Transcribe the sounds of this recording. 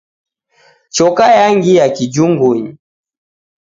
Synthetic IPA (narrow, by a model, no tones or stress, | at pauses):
t͡ʃɔkajaŋɡijakid͡ʒuŋɡuɲi